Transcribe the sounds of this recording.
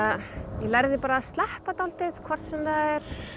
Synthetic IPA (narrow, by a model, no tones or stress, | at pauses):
jɛlajɾðɪpaːɾast̪lɛhpat̪alt̪ɪðkʰvɔr̥t̪sɛmðaðɛɾ̥